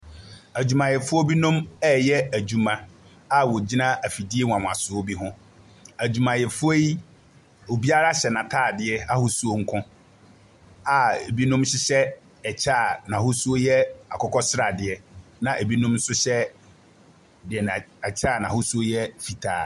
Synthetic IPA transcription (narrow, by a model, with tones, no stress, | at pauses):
æ˨d͡ʑu˨mã˨jɛ˨fʊ˦ɔ˦bi˦nũ˦mɛ˦˨jɛ˦æ˨d͡ʑu˨mã˨ | a˦wɔ˨d͡ʑi˦nã˦æ˨fi˨di˦e˦wã˨m˨a˨sʊ˨o˦bi˦ɦʊ̃˦ | æ˨d͡ʑu˨mã˨jɛ˨fʊ˦e˦i˦ | o˨bi˦a˦ɾa˦ɕɛ˨nã˨tʰaː˦˨dɪ˨ɛ˦a˦hʊ˦su˦o˦ŋ̩˦kʰʊ̃˦ | a˨e˨bi˦nũ˦mɕɪ˦ɕɛ˦ | ɛ˨t͡ɕʰaː˦˨nã˨hʊ˦su˦o˦jɛ˦a˨kʰɔ˦kʰɔ˦sɪ˦ɾa˨dɪ˨ɛ˦nã˨ʔe˨bi˦nũ˦m̩˦sʊ˦ɕɛ˦ | dɪ˨ɛ˨na˨ɛ˨t͡ɕʰaː˦˨nã˨hʊ˦su˦o˦jɛ˦fi˨tʰa̰ː˨